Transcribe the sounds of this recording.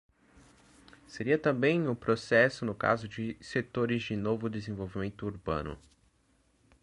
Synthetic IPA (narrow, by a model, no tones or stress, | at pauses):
seɾiɐt̪ɐ̃mbẽj̃ʊpɾosɛsʊnʊka̰zʊd͡ʒɪset̪oɾɪzd͡ʒɪnovʊd̪ezẽvowvimẽnt̪ʊuɾbɐ̰̃nʊ̰